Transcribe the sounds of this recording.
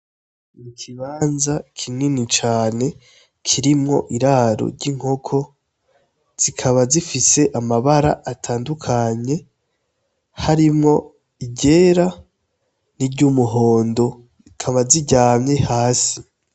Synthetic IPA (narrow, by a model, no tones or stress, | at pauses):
ikʰiβaːnzakʰinninit͡ʃaːne̞ | kʰiɾimŋo̞̰ʔiɾaːɾo̰ɾɟiŋ̥ho̞kʰo̞ | z̥ikʰaβazifise̞ʔamaβaɾa̰ːtʰaːndukʰaɲe̞ | haɾimŋo̞ | iɟe̞ːɾa | niɾɟuːmuɦoːndo̞ | zikʰaβaziɟaːmɲe̞haːsi